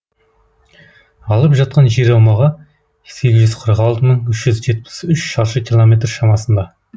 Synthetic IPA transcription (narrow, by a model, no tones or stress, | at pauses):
ɑlˠəpʒɑt̪̚qɑnʒeɾɑwmɑʁɑ | se̞ɡʲɪzʒʏz̥qʰəɾʁɑlˠt̪əməɴʏʃʒʏzʒe̞t̪̚pɪ̥sʏʃʃɑɾʃəkʲʰilˠomʲe̞t̪rʃɑmɑsənd̪ɑ